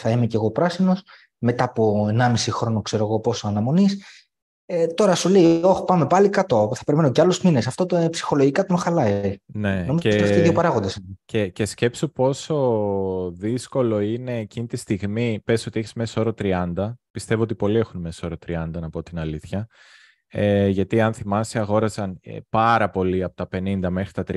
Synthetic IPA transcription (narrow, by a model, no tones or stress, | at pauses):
θɐimeceɣo̞pɾɐsino̞s | me̞t̪ɐpo̞e̞nɐmisixɾo̞nokse̞ɾo̞ɣo̞po̞so̞ɐnɐmo̞nis | et̪o̞ɾɐsule̞io̞xpɐme̞pɐlikɐt̪oθɐ̥pe̞ɾimenoceɐlo̞zmine̞sɐft̪ot̪opsi̥xo̞lo̞ʝikɐt̪onxɐlɐinenoizoeiɐft̪iðjopɐɾɐɣond̪ɐsinecece̞sce̞psopo̞so̞ | ðisko̞lo̞ine̞ːcinit̪ist̪iɣmipesio̞t̪ieçizme̞so̞ɾot̪ɾiɐnd̪ɐpist̪e̞voo̞t̪ipo̞lie̞xunme̞soo̞ɾot̪ɾiɐnd̪ɐnɐpot̪inɐliθçɐ | eʝɐt̪iɐnθimɐsiɐɣo̞ɾɐsɐn̰pɐɾɐpo̞liɐpo̥t̪ɐpe̞nind̪ɐme̞xɾit̪ɐt̪ɾi